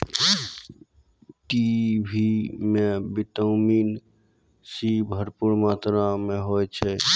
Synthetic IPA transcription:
ʈibʱimẽbɪt̪əʊmiːn | sibʱəɾpuɾmaːt̪ɾamẽɦot͡ʃʰɛ

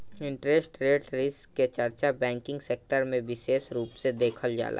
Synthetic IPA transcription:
ɪ̃ɳʈɾesʈɾeːʈɾɪskːet͡ʃəɾt͡ʃabɛ̃ːŋkɪ̃ŋɡseːk̚ʈəɾmẽʋɪʃeːʃɾuːpsed̪eːkʰəld͡ʒa̰ːlʔa̰ː

